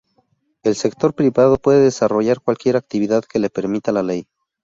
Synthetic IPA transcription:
e̞lse̞kt̪o̞ɾpɾiβað̞o̞pwe̞ðeðesaro̞ʝaɾkwalkje̞ɾak̚t̪iβ̞iðaðke̞le̞pe̞ɾmit̪alale̞j

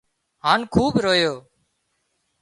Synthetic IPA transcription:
ɦaːnkʰuːbɾoːjoː

